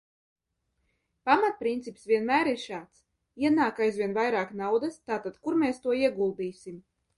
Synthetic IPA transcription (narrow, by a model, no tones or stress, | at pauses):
pamat̪̚pɾint̪sipsvʲiɛnmæːɾiɾʃaːt̪s | iɛnaːkajzvʲiɛnvajɾaːknawd̪ɨst̪aːt̪ad̪̥kuɾmeːst̪uɔiɛɡulˠd̪iːsʲim